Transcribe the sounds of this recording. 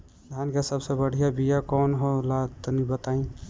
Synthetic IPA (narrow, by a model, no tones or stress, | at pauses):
d̪ʱjankesəbsebəɽ̤ijabijakɔːnɦolat̪nibət̪aĩ